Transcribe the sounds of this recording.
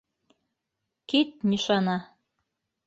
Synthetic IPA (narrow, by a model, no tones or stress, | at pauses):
kit̪̚nʲiʃɑnɑ